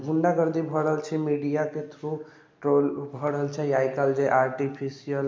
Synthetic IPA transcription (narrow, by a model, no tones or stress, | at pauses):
ɡʱuɳɖaɡəɾd̪ibʱɔɽəɦəlt͡ʃʰɛmiɖijaket̪ʰɾu | ʈɾolbʱɔɽəɦəlt͡ʃʰɛjajkəld͡ʒeʔaɾʈipʰisijəl